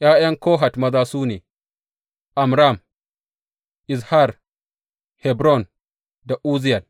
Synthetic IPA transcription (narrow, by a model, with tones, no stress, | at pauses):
ʔjaː˦jɐ˦ŋkoː˦ɦa˨tmɐ˦zaː˦suː˦nḛː˨ | ʔa˨mɾa˦˨m | ʔi˨s̬ha˦˨ɾ | hɛ˨bɾɔ˦˨n | da˨ʔuː˦zi˦ja˨l